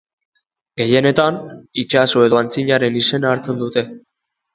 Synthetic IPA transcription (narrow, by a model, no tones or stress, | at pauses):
ɡe̞je̞ne̞t̪anit͡ʃasue̞ðoant͡siɲaɾe̞nise̞naːɾt͡se̞nd̪ut̪e̞